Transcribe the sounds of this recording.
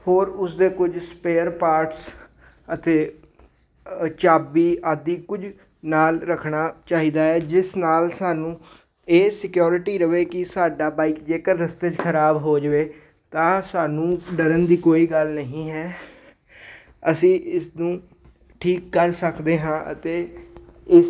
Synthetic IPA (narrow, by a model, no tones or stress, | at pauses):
hoːɾʊsd̪eːkʊd͡ʒspeːəɾpaːɾʈs | ət̪eː | t͡ʃaːbiːaːd̪iːkʊd͡ʒ | naːlɾəkʰɳaːt͡ʃaːɦiːd̪aːɦɛːd͡ʒɪsnaːlsaːnũː | eːsɪkjoːɾɪʈiːɾəʋeːkɪsaːɖaːbaːikd͡ʒeːkəɾːəst̪eːt͡ʃkʰəɾaːbɦoːd͡ʒʋeː | t̪ãːsaːnũːɖəɾənd̪iːkoːiːɡəlnəɦĩːɦɛː | əsĩːʔɪsd̪ũː | ʈʰiːkːəɾsəkd̪eːɦãːʔə̰t̪eː | ɪ